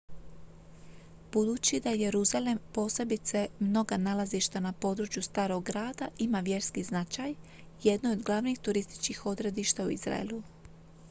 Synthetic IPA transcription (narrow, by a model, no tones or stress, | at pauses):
b̥ud̪uːt͡ɕid̪aje̞ɾuzale̞mpo̞ːse̞bit̪semno̞ɡanalaziʃt̪anapo̞d̪ɾut͡ʃjust̪aːɾo̞ɡɡɾaːd̪aʔimaʋje̞ɾskiznat͡ʃaj | jed̪nood̪ɡlˠaʋnixt̪uɾist̪i̥t͡ʃkixo̞d̪ɾe̞d̪iʃt̪auḭzɾa̰ḛlu